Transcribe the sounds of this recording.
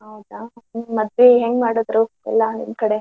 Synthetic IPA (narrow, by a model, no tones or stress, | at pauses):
ɦɐwd̪amɐd̪ʋeɦeŋɡmaːɽod̪ɾu | ɛ̰lːɐnḭmnkɐɽe